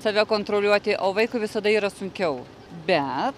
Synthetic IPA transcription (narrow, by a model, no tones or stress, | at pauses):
sɐʋʲɛkoːnt̪ɾoːlʲuɔt̪ʲɪʔoːʋɐɪkʊʋʲɪsɐd̪ɐiːɾɐsʊŋʲkʲɛʊ | bʲɛt̪